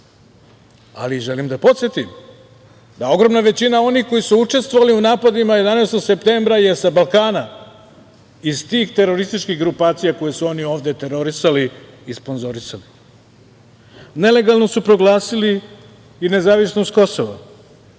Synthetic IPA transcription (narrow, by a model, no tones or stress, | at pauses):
a̰liʒe̞limd̪apo̞t̪sjet̪im | d̪ao̞ɡɾo̞mnaʋe̞t͡ɕinao̞nixko̞jisuut͡ʂe̞st̪ʋoʋaliunaːpad̪imaje̞d̪aneːst̪oɡse̞pt̪eːmbɾaje̞sabalˠkaːna | izt̪iːxt̪e̞ɾo̞ɾist̪it͡ʃkiɡɾupaːt̪sijako̞jesuo̞nio̞ːʋd̪e̞t̪e̞ɾo̞ɾisaliː | spo̞nzo̞ɾisali | ne̞le̞ɡalˠno̞supɾo̞ɡlˠaːsiliː | ne̞zaːʋisnost̪ko̞so̞ʋa̰